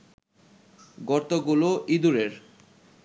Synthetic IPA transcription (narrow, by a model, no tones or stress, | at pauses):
ɡɔɾt̪oɡuloʔid̪uɾeɾ